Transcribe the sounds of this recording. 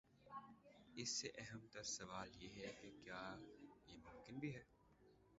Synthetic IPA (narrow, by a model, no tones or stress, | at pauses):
ɪsːeʔɛɦɛmt̪ɐsɐʋaːljeːɦɛkekjaːjemʊ̃mkɪnbʱiɦɛː